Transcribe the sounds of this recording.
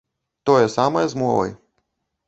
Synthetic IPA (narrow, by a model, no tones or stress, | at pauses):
t̪ɔjɛsamɐjɛzmɔvɐ̰j